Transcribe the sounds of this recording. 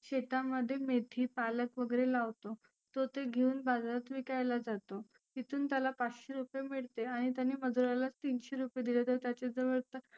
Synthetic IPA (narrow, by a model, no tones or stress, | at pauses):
ɕeʈ̪aməd̪ʱːjemet̪ʰiːpaləkʋəɡəɾelaʋt̪o | t̪ot̪eɡʱeuːnbad͡zɾat̪ʋikajlad͡zat̪o | t̪it̪ʰuːnt̪jalapat͡sɕeɾupjemiɭt̪eaɽ̃it̪janːiːməd͡zuɾalat͡st̪inɕeɾupjed̪ilet̪jət̪jat͡ɕed͡zəʋəɾt̪ə